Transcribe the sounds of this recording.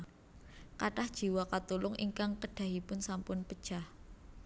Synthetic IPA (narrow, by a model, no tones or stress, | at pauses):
kaʈahd̥ʒ̥i̤wakat̪ulʊŋʔiŋkaŋkəɖ̥a̤ɦipʊnsampʊnpəd̥ʒ̥ah